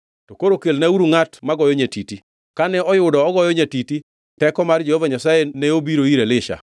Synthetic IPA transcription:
tokoɾokelnauɾuŋatmaɡɔjɔɲatiti | kanɛɔjʊdɔːɡɔjɔɲatiti | tɛkɔmard͡ʒehɔvaɲasajenɛobiɾoiɾelɪʃa̰

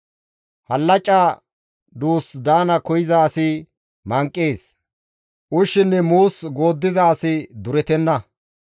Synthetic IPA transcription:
hɐlːɐt͡ʃʼːa | d̪uːsd̪aːnɐkɔjɪzaːsɪ | mɐŋkʼːeːs | ʔʊʃːɪnːɛmuːsɡo̞ːd̪ːɪzɐːsɪd̪ʊɾɛt̪ɛnːɐ

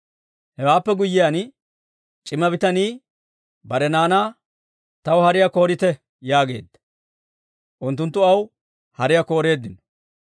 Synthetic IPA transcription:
hɛwaːpːɛɡʊjːɪjan | t͡ʃʼɪmːɐbɪt̪ɐniː | bɐɾɛnaːnaː | t̪ɐwhɐɾɪjako̞ːɾɪt̪ɛ | jaːɡe̞̰ːd̪ːɐ̥ | ʔʊnt̪̬ːʊnt̪ːʊɐw | hɐɾɪjɐko̞ːɾe̞ːd̪ːɪnɔ

